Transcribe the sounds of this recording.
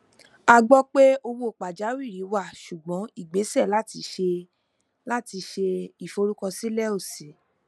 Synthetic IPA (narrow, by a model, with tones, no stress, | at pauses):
a˧ɡ͡bɔ˦k͡pe˦o˧wo˧o˨k͡pa˨d͡ʒa˨˦wi˦˨ɾi˨˦wa˦˨ʃu˨ɡ͡bɔ̃˨˦i˦˨ɡ͡be˨˦sɛ˦˨la˦ti˧ʃe˧ | la˦ti˧ʃe˧i˦˨fo˧ɾu˦kɔ̃˧si˦lɛ˦o˦˨se˨˦